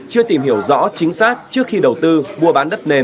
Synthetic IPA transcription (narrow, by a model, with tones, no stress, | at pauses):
t͡ɕɨ˧ət̪i˨˩mɦi˧˩əwzɔ̰˧˥t͡ɕï˨˦ŋ̟saː˦˥k̚t͡ɕɨ˦˥ək̚xi˧ɗə˨˩wt̪ɨ˧ɓu˧əɓaː˨˦nɗə˦˥t̚ne˧n